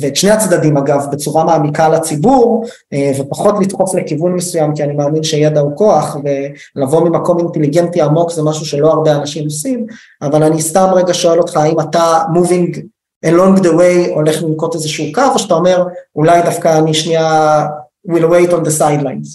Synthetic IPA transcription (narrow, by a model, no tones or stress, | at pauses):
veʃneat͡sd̪ad̪imaɡavbet͡suʁamaːmikalat͡sibuʁ | vepaχo̞tlit̪χo̞flekivunmesujamkianimaːminʃe̞jed̪auko̞aχve̞ | lavo̞mimako̞minteliɡe̞ntiamo̞kzemaʃuʃe̞lo̞aʁbeanaʃimosim | avalanistamʁe̞ɡaʃo̞e̞lo̞t̪χaimatamuviŋɡ | ʔenloŋɡd̪ewejo̞le̞χlimko̞tezeʃuːkavoʃatao̞me̞ʁulajdafkaːniʃnia | wilwejtond̪esajdlajnz